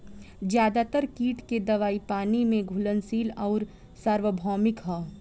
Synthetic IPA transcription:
zjaːd̪at̪əɾkiːʈked̪ɐʋaːipaːnimẽɡʱʊlənsiːlɔːɾ | saɾʋəbʱɔːmɪkɦaː

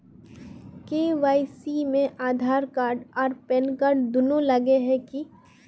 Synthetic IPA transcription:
keːʋaːisimẽʔaːd̪ʱaːɾkaːɾɖɔːɾpɛnkaːɾɖd̪ʊnolɐɡeɦɛki

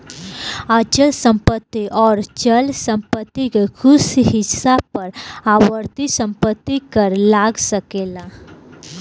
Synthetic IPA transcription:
at͡ʃəlsə̃mpət̪ːiʔɔːɾt͡ʃəlsə̃mpət̪ːikkʰʊsɦisapːəɾawəɾt̪isə̃mpət̪ːikəɾlaɡsəkela

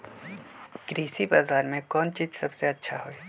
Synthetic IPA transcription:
ɡ̥ɾiːsibaːzaːɾmẽkɔːnt͡ʃiːzsɐbseɐtːʃʰaɦoːeː

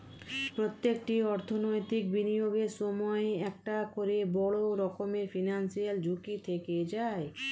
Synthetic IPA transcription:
pɾot̪ːek̚ʈiɔɾt̪ʰonojt̪ik̚binijoɡeɾʃɔmɔeɛk̚ʈakoɾebɔɭoɾɔkomeɾfinansiald͡ʑʱukit̪ʰeked͡ʑae

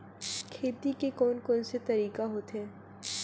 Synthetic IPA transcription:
kʰeːt̪ikekɔːnkɔːnset̪ɐɾiːkaɦoːt̪ɦɛ̃ː

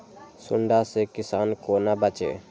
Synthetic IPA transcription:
sʊ̰ɳɖasekisankonabat͡ʃḛ

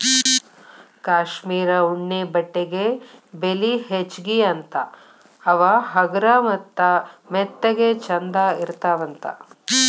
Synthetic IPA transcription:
kaːʃmiːɾɐuɳːebɐʈːeɡebeliɦet͡ʃɡiɐnt̪ɐ | ɐʋɐɦɐɡɾɐmɐt̪ːɐmɛt̪ːɐɡet͡ʃɐnd̪aːiɾt̪aːʋɐnt̪ɐ̰

